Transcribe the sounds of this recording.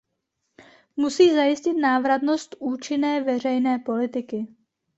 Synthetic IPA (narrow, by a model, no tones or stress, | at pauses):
musiːzajɪscɪt̪naːvɾat̪no̞st̪ʔuːt͡ʃɪnɛːvɛr̝ɛjnɛːpo̞lɪt̪ɪkɪ